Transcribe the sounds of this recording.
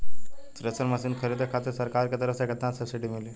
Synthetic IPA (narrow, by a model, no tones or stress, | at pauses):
sɾesəɾməsiːnkʰəɾet̪əkʰat̪əɾsəɾkaɾkət̪əɾəsakət̪ːansəsiʈimile